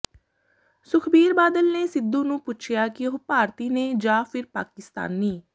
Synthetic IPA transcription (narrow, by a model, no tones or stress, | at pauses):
sʊkʰbiːɾbaːd̪əlneːsɪd̪ũːnũːpʊt͡ʃʰɪjaːkɪopaːɾt̪iːneːd͡ʒãːpʰɪɾpa̰ːkɪst̪a̰ːnːiː